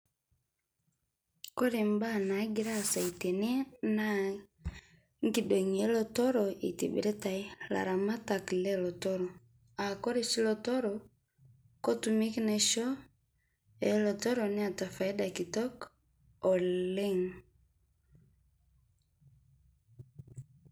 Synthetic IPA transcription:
ko˦ɾe˨mba˦˨na˨˦ɡi˦ɾa˦˨sa˨ite˨n˦ɛ˦na˦ | ŋɡido˨ɲi˨e˦lɔ˦tɔ˦ɾɔḭ˨tḭ˨bḭɾɛ˦ta˨i˦la̰˨ɾa˨ma˦ta˨klɛ˦lɔ˨tɔ˦ɾɔ˨ | a˨ko˦ɾe˦ʃi˦lɔtɔ˦ɾɔ | ko˦tumi˦kinɛʃɔ˦ | ɛlɔ˨tɔ˦ɾɔni˦a˨ta˨fa˨i˦da˨ki˨tɔ˦k | ɔ˨le˦ŋ

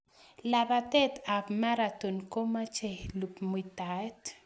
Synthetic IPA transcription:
la˨bat̪e˦t̪a˨bma˦ɾa˨t̪u˨nko˦ma˦t͡ʃe˨lu˨pmu˨jt̪a˨e˦t̪

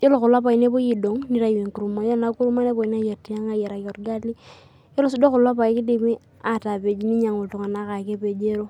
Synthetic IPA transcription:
jo˦lo˨kʊ˨la˦pa˨i˨ne˦bo˦ji˨do˨ŋni˦ɾa˦˨we˨ŋku˨ɾu˨ma˨˦jo˦na˨ku˦ɾu˦ma˦ne˦bo˨i˨n˦a˦je˨ɾti˦ja˦ŋa˦je˨ɾa˨kɔ˨ɾɡa˦li˦ | jo˦lo˦s̬u˦do˦kʊ˨la˦pa˨i˦kɪ˦di˦˨mi˦ | a˦˨ta˨pe˨d͡ʒi˦ni˦ɲa˨ŋo˨tu˨ŋa˨na˦ka˨ke˦pe˨d͡ʒe˦ɾo˦

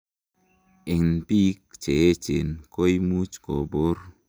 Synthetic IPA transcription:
ɪ˨ŋnpi˦k̚t͡ʃe˨e˦t͡ʃḛ˨nko˦jmu˦t͡ʃko˨bo˦r

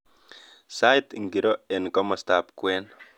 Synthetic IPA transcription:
sa˦jtŋɡi˨ɾo˦e˨nɡɔ˦mɔ˨sta˨pkwɛ˦n

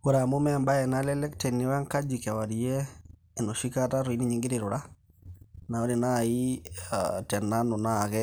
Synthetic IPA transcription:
o˨ɾa˨mo˦mɛmba˦ɛ˨na˨lɛlɛ˦ktɛ˨nːe˨wa˦ŋka˦d͡ʒi˨ka˨wa˨ɾi˨ɛː˦˨ | no˨ʃi˦ka˦ta˦ɾo˨i˦ni˦ɲi˨ŋɡe˦ɾe˨ɾo˨ɾa˦ | na˨o˦ɾe˨na˦˨i˦a̰tɛ˨na˦no˨na˦˨ɣɛ˦

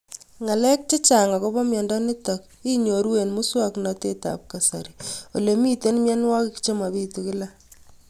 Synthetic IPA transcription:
ŋa˨lɛ˦k̚t͡ʃe˦t͡ʃa˨ŋa˨ko˦bɔ˦mjɔ˨ndɔ˦ne˦tɔ˨k̚ | i˦ɲo˨ɾwe˨nmu˦swa˦kna˨te˦ta̰˨p̚ka˨sa˨ɾi˨o˨le˨mi˦te˦nmjɛ˦n˦wa˦kɪ˦kt͡ʃe˦ma˨βi˦tukɪ˦la˦

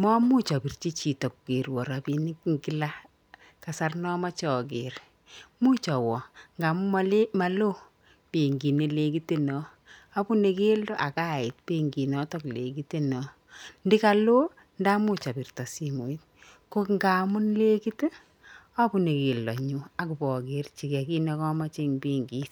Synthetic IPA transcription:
mɔ˦mu˦t͡ʃɔ˨pi˨rt͡ʃi˦t͡ʃi˨tɔ˨ku˨ke˨ɾwɔ˨ɾa˨pi˦ni˦kŋɡi˦la˦ | ka˨sa˦rnɔ˦ma˦t͡ʃɔ˨ke˨ɾ | mu˦t͡ʃɔ˨wɔ˨ŋɡa˨mʊ˦ma˨lo˦ | pe˨ŋɡi˨ne˦le˦ki˦te˦nɔ˨ | a˦pu˦ne˨ke˦ldɔ˦ʔa˨ka˦˨ɪ˨t̚pi˦ŋɡi˨nɔ˦tɔ˦kle˨ki˦te˦nɔ˨ | ndi˦ka˨lo˦ | nda˦mu˦t͡ʃa˨pi˨rtɔ˨si˨mu˨i˦t̚ | ko˦kŋɡa˨mʊ˦nle˦ki˦te˦ | a˦pu˦˨ne˨ki˨ldɔ˨ɲu˦a˨ku˨bɔ˨kɪ˨rt͡ʃi˨kɛ˨ki˦ne˦kɔ˦ma˦t͡ʃe˦ŋpi˦ŋɡi˦s

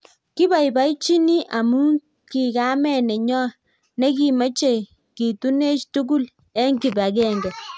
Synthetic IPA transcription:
ki˦ba˨jba˦it͡ʃi˦ni˦ʔa˨mu˦ | ki˨ka˦mɛ˦˨nɛ˨ɲɔ˦ | nɛ˦ki˨ma˦t͡ʃe˦˨ | ki˨tu˦ne˦t͡ʃtu˦ɡu˦l | ɛ˦ŋɡi˨ba˨k̬ɛ˦ŋɡɛ˨

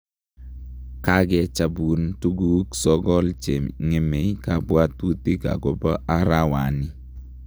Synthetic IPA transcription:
ka˦ɡɛ˦t͡ʃa˨bu˨ntu˦ɡu˦ksɔ˦ɡɔ˦lt͡ʃe˨mŋe˨me˨ka˦bwa˦t̪u˦t̪i˦ka̰˨ɡo˨bɔ˦ʔa˦ɾa˦wa˨nɪ˦

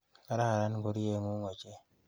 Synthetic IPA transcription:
ka˦ɾa˦˨ɾa˦n˦ɡo˦ɾi˦e˦ŋu˦ŋo˨d͡ʒe˦

